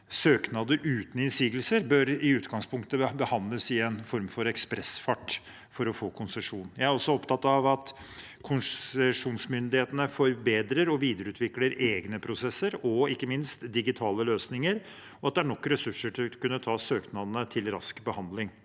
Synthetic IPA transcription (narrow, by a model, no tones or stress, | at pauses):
søːknɑd̪əɾʔʉːt̪n̩ɪnsiːɡəlsəɾbøɾɪʉːt̪ɡɑŋspʰʊŋkt̪əbəhɑnd̪ləsɪɛnfɔɾmfɔɾɛkspɾɛsfɑʈː | fɔɾɔfoːkʰʊnsɛʂuːnjæɪæɾɔsːɔɔpt̪ʰɑt̪ːɑʋɑt̪ | kʰʊnsɛʂuːnsmʏnd̪ɪheːt̪ənəfɔɾbeːd̪ɾəɾɔʋiːd̪əɾəʉːt̪ʰʋɪkləɾeːɡnəpʰɾʊsɛsːəɾɔɪkːəmɪnst̪d̪ɪɡɪt̪ʰɑːləløːsnɪŋəɾ | ɔɑt̪̚d̪ɛæɳɔkːɾɛsʉʂːəʈʰɪlkʉnːət̪ʰɑːsøːknɑd̪nət̪ʰɪlɾɑ̰skbəhɑnd̪lɪŋ